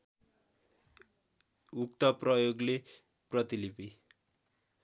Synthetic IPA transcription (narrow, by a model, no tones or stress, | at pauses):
ukt̪ʌprʌjoɡle | prʌt̪ilipi